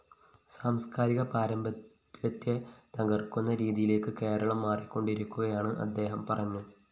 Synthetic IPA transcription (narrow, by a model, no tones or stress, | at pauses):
saːmskaːɾiɣɐpaːɾɐmbɐ | jɐt̪ːet̪ɐɣɐrkunːɐɾiːðijile̞ːkːɨke̞ːɾɐɭɐmːaːrikːo̞ɳɖiɾukʲːuɣɐjaːɳɨʔɐ̰d̪ːe̞ːɦɐmpɐrɐɲːu